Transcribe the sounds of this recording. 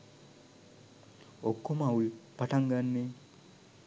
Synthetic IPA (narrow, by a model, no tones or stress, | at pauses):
okːomaulpaʈaŋɡanːe